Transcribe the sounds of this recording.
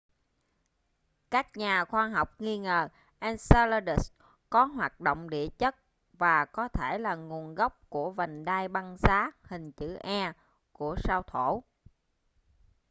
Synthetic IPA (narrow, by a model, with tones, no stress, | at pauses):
kaː˦˥k̚ɲaː˨˩xwaː˧ɦa˨˩wk͡p̚ŋi˧ŋəː˨˩ | ʔɛː˧nsa˧lə˧ɗi˦˩s | kɔ˨˦ɦwaː˨˩t̚ɗo̰˧˨wŋ͡mɗḭ˧˨ət͡ɕə˦˥t̚ | vaː˨˩kɔ˨˦t̪ʰe˧˩laː˨˩ŋu˨˩ənɣa˦˥wk͡p̚ku˧˩əvə˨˩ŋɗaː˧jɓa˧ŋzaː˨˦hï˨˩ŋ̟t͡ɕɨ̰˧˩ʔɛ˧ | ku˧˩əsaː˧wt̪ʰo˧˩˨